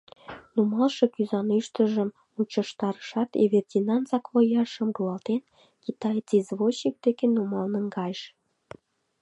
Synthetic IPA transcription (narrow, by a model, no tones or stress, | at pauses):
numɑlʃɤkyzɑnyʃt̪əʒəm | mut͡ɕə̆ʃt̪ɑɾəʃɑt̪ḛβerdʲinɑnzɑkβojɑʃəmɡulɑlt̪en | kit̪ɑjt͡sizβoɕik̚d̪ekenumɑlnənɡɑjʃ